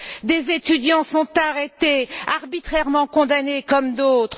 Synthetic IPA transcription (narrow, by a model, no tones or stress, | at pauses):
d̪ezet̪yd̪jɑ̃sɔ̃t̪aʁet̪eaʁbit̪χɛʁmɑ̃kɔ̃d̪anekɔmd̪ot̪χ